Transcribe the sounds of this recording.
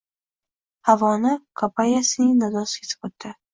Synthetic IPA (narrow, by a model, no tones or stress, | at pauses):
havɒnɪkʰapʰajasɪnɪŋnad̪ɒsɪ̥kʰʲet̪ʰɪ̥bot̪ːɪ